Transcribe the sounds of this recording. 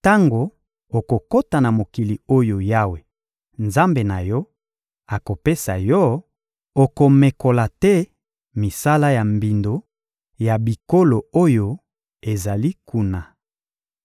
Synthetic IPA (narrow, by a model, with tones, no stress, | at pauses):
ta˦ŋɡo˨ | o˨ko˨ko˦ta˨na˨mo˨ki˨li˨o˦jo˨ja˦we˨ | nza˦mbe˨na˨jɔ˦ | a˨ko˨pe˦sa̰˨jɔ˦ | o˨ko˨me˨ko˨la˨tɛ˦ | mi˨sa˦la˦ja˨mbi˨ndo˨ | ja˨bi˨ko˦lo˨o˦jo˨ | e˨za˨li˦ku˦na˨